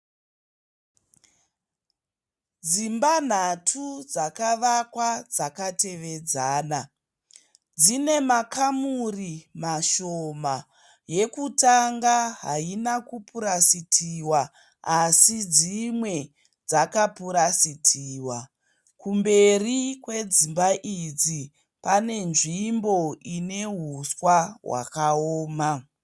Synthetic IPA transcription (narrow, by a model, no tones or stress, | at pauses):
d͡zimban̤atʰud͡zakaʋakwad͡zakate̞ʋe̞d͡zaːna | d͡zine̞makamurimaʃoma | je̞kutaŋɡaɦa̰inakupuɾasitʰiwa | asid͡zimwe̞ | d͡zakapuɾasitʰiːwa | kumbe̞rikwe̞d͡zimbaʔid͡zi | pane̞nʐimbo̞ine̞ɦuswaɦwa̰kaoːma